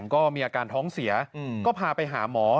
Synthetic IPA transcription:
ŋkɔː˥˩miː˧ʔaː˧kaː˧nt̪ʰɔː˦˥ŋsi˩˦ɐkɔː˥˩pʰaː˧pa˧jɦa̰ː˩˦mɔː˩˦

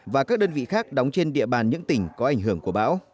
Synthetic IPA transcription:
vaː˨˩kaː˦˥k̚ɗəː˧nvḭ˧˨xaː˦˥k̚ɗɔ˨˦wŋ͡mt͡ɕe˧nɗḭ˧˨əɓaː˨˩nɲɨ̰˧˥ŋt̪ï˧˩ŋ̟kɔ˨˦ʔa˧˩jŋ̟ɦɨ˧˩əŋku˧˩əɓa̰ː˧˥w

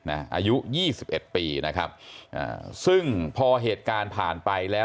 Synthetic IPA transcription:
na̰˦˥ʔa̰ː˧ju˦˥ʔjiː˥˩si˨˩p̚ʔe˨˩t̪̚piː˧na˦˥kʰa̰˦˥p̚ʔa̰ː˨˩sɯ˥˩ŋpʰɔː˧ɦeː˨˩t̪̚kaː˧npʰaː˨˩npa˧jlɛː˦˥

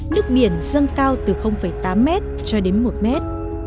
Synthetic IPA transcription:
nɨ˦˥ək̚ɓi˧˩ənzə˧ŋkaː˧wt̪ɨ˨˩xə˧wŋ͡mfə˧˩jt̪aː˨˦mːɛ˦˥t̚t͡ɕɔ˧ɗe˨˦nmo˨˩t̚mɛ˦˥t̚

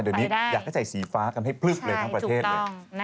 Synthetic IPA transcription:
dɯː˧niː˦˥jaː˨˩k̚ʰa˥˩t͡ɕa˨˩jsiː˩˦faː˦˥kʰa˧mɦa˥˩jpʰlɯ˥˩k̚lɤː˧jt̪ʰaː˥˩pɾʰeː˥˩˥

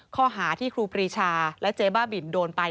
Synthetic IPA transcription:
kʰɔː˥˩ɦaː˩˦t̪ʰiː˥˩kʰɾuː˧pʰɾiː˧t͡ɕʰaː˧lɛ˦˥t͡ɕeː˧baː˥˩bi˨˩˦ndoː˧npa˧

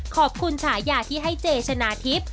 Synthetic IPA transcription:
kʰɔː˨˩p̚kʰu˧nsʰaː˩˦jaː˨˩t̪ʰiː˥˩ɦa˥˩jt͡ɕeː˧t͡ɕʰa˧naː˧˥t̪ʰi˦˥p̚

